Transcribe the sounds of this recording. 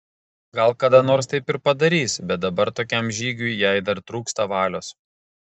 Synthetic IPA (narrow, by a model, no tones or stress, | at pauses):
ɡɐlˠkɐd̪ɐnoːɾst̪ɐɪpɪɾpɐd̪ɐɾʲiːsbʲɛt̪̚d̪ɐbɐɾt̪oːkʲɛmʒʲiːɡʲʊjjɛɪd̪ɐɾt̪ɾuːkst̪ɐʋɑːlʲoːs